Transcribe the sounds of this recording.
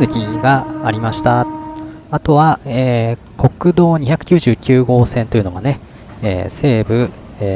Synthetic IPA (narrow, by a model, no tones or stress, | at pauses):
nɯ̟kʲiɡaːɾʲimaɕi̥t̪a | at̪o̞βaeː | ko̞kɯ̟d̪o̞ːɲ̟içakɯ̟̥kʲɨːʑɨːkʲɨːɡo̞ːsẽ̞nt̪o̞jɯ̟no̞ɡane̞ | ḛːse̞ːbɯ̟ | eː